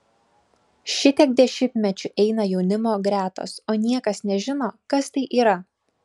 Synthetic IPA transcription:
ʃʲɪt̪ʲɛk̚d̪ʲɛʃʲɪmʲt̪ʲmʲɛt͡ʃʲʊʔɛɪnɐjɛʊnʲɪmoːɡɾʲæːt̪o̰ːsoːnʲiɛkɐsnʲɛʒʲɪnoːkɐst̪ɐɪʔiːɾɐ

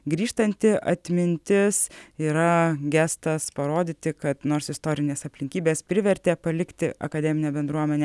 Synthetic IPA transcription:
ɡɾʲiːʃt̪ɐnʲt̪ʲɪʔɐ̰t̪ʲmʲɪnʲt̪ʲɪsiːɾɐɡʲæst̪ɐspɐɾoːd̪ʲiːt̪ʲɪkɐt̪noːɾsɪst̪oːɾʲɪnʲeːsɐpʲlʲɪŋʲkʲiːbʲeːspʲɾʲɪʋʲɛɾʲt̪ʲeːpɐlʲɪkt̪ʲɪʔɐ̰kɐd̪ʲɛːmʲɪnʲeːbʲɛnd̪ɾuɔmʲɛnʲeɛ

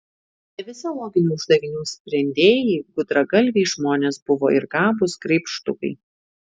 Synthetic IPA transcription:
nʲɛʋʲɪzʲolˠɔːɡʲɪnʲuːʊʒd̪ɐʋʲɪnʲuːsʲpʲɾʲɛnʲd̪ʲeːjɛɪɡʊd̪ɾɐɡɐlʲʋʲeɪʒmoːnʲeːsbʊʋo̰ːɪɾɡɑːbʊskɾʲɛɪpʃt̪ʊkɐ̰ɪ

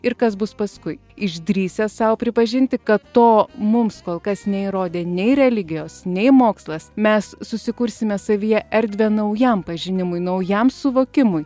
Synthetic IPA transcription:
ɪɾkɐsbʊspɐskʊɪ | ɪʒd̪ʲɾʲiːsʲɛssɐʊpʲɾʲɪpɐʒʲɪnʲt̪ʲɪkɐttoːmʊmskoːlˠkɐsnʲɛiɾoːd̪ʲeːnʲɛɪɾʲɛlʲɪɡʲɪjoːsnʲɛɪmoːkslˠɐsmʲɛssʊsʲɪkʊɾʲsʲɪmʲɛsɐʋʲijɛʔɛɾʲd̪ʲʋʲɛnɐʊjɛmpɐʒʲɪnʲɪmʊjnɐʊjɛmsʊʋoːkʲɪmʊj

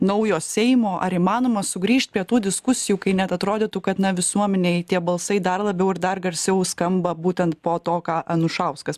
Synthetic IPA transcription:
nɐʊjoːsʲɛɪmoːʔɐ̰ɾiːmɑːnoːmɐsʊɡɾʲiːʃt̪̚pʲɾʲiɛt̪uːd̪ʲɪskʊsʲɪjuːkɐɪnʲɛt̪ɐt̪ɾoːd̪ʲɪt̪ukɐt̪nɐʋʲɪsuɔmʲɛnʲeɪt̪ʲiɛbɐlˠsɐɪd̪ɐrlˠɐbʲɛʊɪɾd̪ɐrɡɐɾʲsʲɛʊskɐmbɐbuːt̪ʲɛnt̪̚poːt̪oːkɑːʔɐnʊʃɐʊskɐs

